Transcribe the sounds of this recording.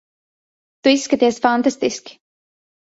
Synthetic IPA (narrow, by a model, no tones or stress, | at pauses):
t̪uiskət̪eːsfant̪ast̪ɪsk